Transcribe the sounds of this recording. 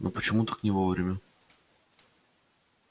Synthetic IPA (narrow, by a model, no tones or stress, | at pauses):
nopət͡ɕɪmut̪aknʲɪvovɾʲɪmʲə